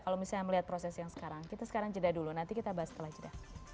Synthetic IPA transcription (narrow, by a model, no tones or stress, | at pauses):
kalowmisaɲaməliɦat̪̚pɾosɛsjaŋsə̥kaɾaŋkit̪asə̥kaɾaŋd͡ʒədahdulunant̪ikit̪abaɦasə̥t̪əlahd͡ʒədah